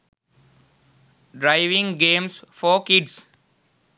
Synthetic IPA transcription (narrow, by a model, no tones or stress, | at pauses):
ɖɾaɪʋɪ̃ŋɡẽːmsfɔːkɪɖs